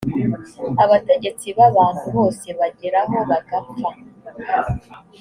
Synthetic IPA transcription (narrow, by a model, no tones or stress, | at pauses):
aβate̞ɟe̞t͡siβaβaːn̥huβo̞ːse̞βaɟeɾaɦo̞βaɡapfa